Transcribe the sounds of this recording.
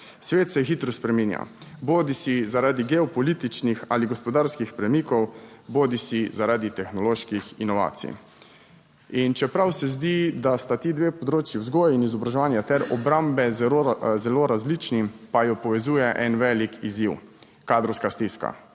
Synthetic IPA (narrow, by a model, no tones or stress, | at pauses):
sʋeːt̪sɛxiːt̪ɾɔspɾɛminja̰boːd̪isizaɾaːd̪iɡɛɔpɔliːt̪it͡ʃnixa̰ːliɡɔspɔd̪aɾskixpɾɛmikɔwboːd̪isizaɾaːd̪it̪ɛxnɔloːʃkixinɔʋa̰ːt̪sḭ | int͡ʃɛpɾawsɛzd̪id̪ast̪at̪id̪ʋeːpɔd̪ɾoːt͡ʃiwzɡɔːjinizɔbɾaʒɛʋaːnjat̪ɛɾɔbɾambɛ | zɛloːɾazliːt͡ʃnipajɔpɔʋɛzuːjɛʔɛnʋɛːlikiziw | kaːd̪ɾɔwskast̪iska̰